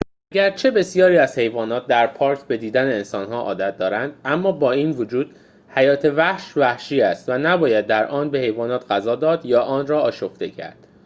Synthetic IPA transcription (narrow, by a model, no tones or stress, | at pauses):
ʔæɟæɾt͡ʃʰe̞be̞sijɒːɾiːæz̥he̞jvɒːnɒːt̪̚d̪æɾpʰɒːɾkʰbe̞d̪iːd̪æneensɒːnɦɒːʔɒ̰ːd̪æt̪̚ʰd̪ɒːɾænd̪æmːɒːbɒːiːnvod͡ʒuːd̪̥ | hæjɒːt̪ʰe̞væhʃvæhʃiːæst̪vænæbɒːjæd̪ːæɾʔɒːnbe̞he̞jvɒːnɒːt̪ʰɢæzɒːd̪ɒːd̪jɒːʔɒːnrɒːɒːʃoft̪e̞cʰæ̰ɾd̪̥